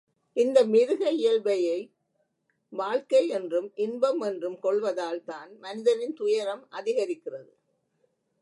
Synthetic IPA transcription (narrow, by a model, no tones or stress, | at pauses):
ʔɪnd̪ɐmɪɾɯɣɐɪjɐlʋɐjɐɪ | ʋaːɭkɐɪɛndrɯmʔɪnbɐmɛndrɯmkɔɭʋɐðaːlt̪aːnmɐnɪðɐɾɪnt̪ʊjɐɾɐmʔɐðɪɣɐɾɪkːɪrɐðɯ